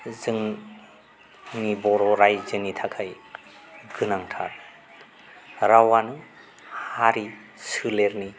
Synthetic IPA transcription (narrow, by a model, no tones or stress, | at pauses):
zɯŋ | nibɔɾɔɾajzɯnitʰakʰaj | ɡɯnaŋtʰaɾ | ɾawanɯ | haɾi | sɯleɾni